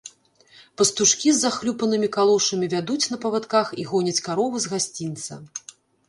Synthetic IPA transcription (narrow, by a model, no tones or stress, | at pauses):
pɐst̪uʂkʲizːaxlʲupɐnɨmʲikalˠɔʂɐmʲivʲad̪ut͡sʲn̪ɐpɐvat̪kaxiɣɔnʲɐt͡sʲkaɾɔvɨzɣasʲt͡sʲint̪sɐ̰